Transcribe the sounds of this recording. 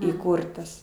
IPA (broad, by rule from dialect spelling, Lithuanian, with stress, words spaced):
iːˈkuːrtɐs